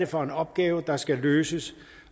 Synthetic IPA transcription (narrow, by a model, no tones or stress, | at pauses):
əfɒ̽e̝nɒ̽b̥̚ɡ̥ɛːʊd̥ɑ̈sɡ̥æløːsəs